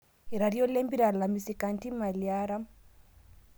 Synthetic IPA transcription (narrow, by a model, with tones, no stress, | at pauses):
e˨ɾa˨ɾijɔ˦le˦mbi˦ɾa˨la˨misi˨ka˨nti˦ma˨liaɾa˦m